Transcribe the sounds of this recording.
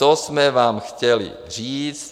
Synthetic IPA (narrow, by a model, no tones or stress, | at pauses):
ɔz̥mɛʋaːmxcɛlḭ | ʒiːt͡s